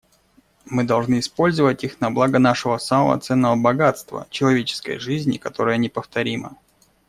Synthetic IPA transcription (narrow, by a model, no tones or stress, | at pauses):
mɨd̪ɐlˠʐnɨɪspo̞lʲzəvətʲixnɐblˠaɡənaʂɨvəsaməvɐ̰t̪sɛnːəvəbɐɡat̪st̪və̰t͡ɕɪlˠɐvʲet͡ɕɪ̥skə̰jʐɨzʲnʲɪ̰kɐt̪o̞ɾəjənʲɪpəft̪ɐɾʲimə̰